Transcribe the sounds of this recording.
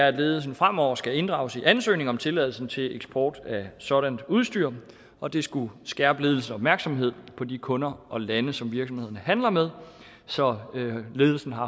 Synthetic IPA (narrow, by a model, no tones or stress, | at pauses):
ææ̥le̝ːðˠl̩s̬n̩fʁam̰ɒʊ̰ɐsɡ̥æe̝nd̥ʁɑ̈ʊsiʔænsø̰ːne̝ŋɒ̽mt͡sʰe̝læð̞̰ˠl̩sn̩t͡sʰe̝leɡ̥sb̥ɒːd̥æsɒ̽ɾ̥ænd̥uð̞ˠsd̥yɐ̰ | ɒ̽d̥e̝sɡ̥usɡ̥æɐb̥əle̝ðˠl̩sən̩ɒb̥mæɐɡ̥sɒ̽mɦe̝ð̞̰ˠpʰɒ̽d̥ikʰɔ̽nɐʔɒ̽lænəsɒ̽mʋiɐɡ̥sɒmhe̝ð̰ˠɐnəhænlɐmeðˠ | sɒ̽le̝ːð̞ˠl̩sn̩ɦɑ̈